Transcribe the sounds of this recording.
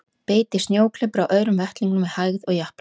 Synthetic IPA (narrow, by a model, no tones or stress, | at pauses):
peːjt̪ɪsnjoːwkʰl̥ɪpɾawʔœːɥɾʏmvɛht̪liŋknʏmːɛðhajɣðɔɣjahp